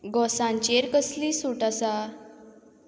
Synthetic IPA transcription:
ɡɔsãɲt͡ɕeɾkəsliːsuʈasa

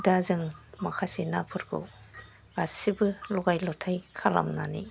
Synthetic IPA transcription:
dazɯŋmakʰasinapʰɯɾkʰɯ̰w | asibɯlɔɡajlɔtʰajkʰala̰mnanḭ

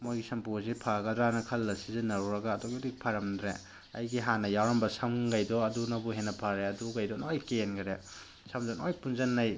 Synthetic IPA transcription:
mojɡisɐmpuzipʰaɡɐdɾanɐkʰɐlːɐsizinɐɾuɾɐɡaːdɔɡidik̚pʰaɾɐmdɾḛ | ɐ̰jɡiɦanɐjawɾɐmbɐsɐmɡajdɔɐdunɐbuɦenːɐpʰaɾeɐduɡajdɔnojkenɡɐɾe | sɐmzɐnojpunzɐnːɐj

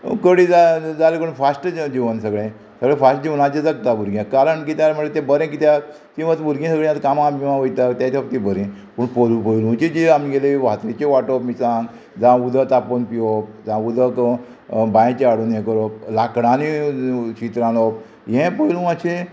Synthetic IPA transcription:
kəɽid͡zad͡zalekəɳfasʈd͡ʑiʋənsəɡɭẽ | səɡɭẽfasʈd͡ʑiʋənat͡ɕed͡zakt̪abuɾɡʲjãkaɾəɳkit̪jaɾməɳet̪ebəɾẽkit̪jaɾ | t̪ĩʋət̪bʱuɾɡẽsəɡɭẽjat̪kamãmimãʋəjt̪at̪jat̪ʰapt̪ĩbəɾẽ | puɳpəlupəjlũt͡ɕed͡ʑeamiɡeleiʋat̪et͡ɕeʋaʈopmisãŋɡ | d͡zãud̪ət̪aponpiɔp̚d͡zãud̪ək | bãj̃t͡ɕeaɽunjẽkəɾɔp̚lakɽãnit͡ɕit̪ɾãlɔp̚ | ɦẽpəjlũat͡ɕʰe

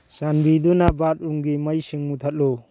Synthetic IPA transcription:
sanbidunabat̚uŋɡimajsɯŋmut̪ʰat̚lɔ

